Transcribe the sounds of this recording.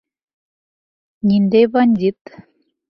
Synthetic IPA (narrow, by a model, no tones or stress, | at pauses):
nʲind̪ejβɑnʲd̪ʲit̪